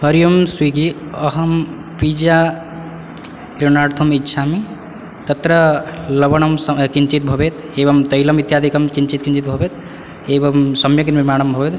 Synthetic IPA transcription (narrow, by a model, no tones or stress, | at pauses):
ɦəɾijumswiɡiəɦəm | pid͡ʒa | kɾenaɾt̪ʰumitːʃʰami | t̪ət̪ɾələbəñəmskint͡ʃit̪̚bʱəbet̪ | ebəmt̪ɐɦilɐmit̪jad̪ʱikəmkint͡ʃit̪kint͡ʃit̪̚bʱəbet̪ | ebɐmsɐmjəkinbimaːnəmbʱəbet̪